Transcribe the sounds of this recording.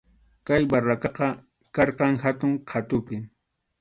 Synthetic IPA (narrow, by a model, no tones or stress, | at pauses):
kajbarakɑqɑ | kɑɾqɑŋhat̪ʊŋqʰat̪ʊpɪ